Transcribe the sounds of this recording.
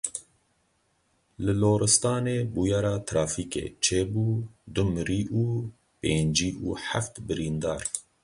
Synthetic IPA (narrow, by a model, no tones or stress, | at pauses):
lɨloːɾɨst̪ɑːneːbuːjɑːɾɑːt̪ʰɾɑːfiːkḛːt͡ʃʰeːbuːd̪ʊmɾiːʔuː | peːnd͡ʒiːʔuːħaft̪bɨɾiːnd̪ɑːɾ